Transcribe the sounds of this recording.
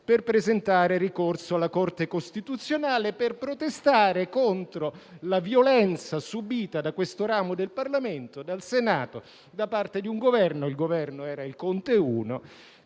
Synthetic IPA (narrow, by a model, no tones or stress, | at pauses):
perpɾezent̪aːɾerikorsoalːakort̪ekost̪it̪ut̪sːjonaːleperpɾot̪est̪aːɾekont̪ɾolavjolɛnt̪sasubiːt̪ad̪akwest̪oɾaːmod̪elparlament̪od̪alsenaːt̪o | d̪apart̪ed̪iuŋɡovɛrnoilɡovɛrnoɛːɾailkont̪euːno